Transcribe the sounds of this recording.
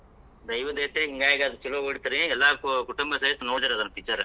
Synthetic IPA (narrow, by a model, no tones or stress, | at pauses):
d̪ɐjʋɐd̪eːt̪ːɾeɦiŋɡaːjɐɡad̪ɐt͡ʃilooɽt̪ːɐɾiɛlːaːkuʈumbɐsɐɦit̪ːɐnoːɽt̪ɐɾɐd̪ɐnːɐpit͡ʃːɐɾ